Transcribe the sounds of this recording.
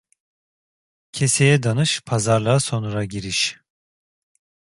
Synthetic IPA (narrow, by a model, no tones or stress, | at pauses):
cʰesejɛd̪anɯʃpʰazaɾlˠaso̞nuɾaɟiɾiʃ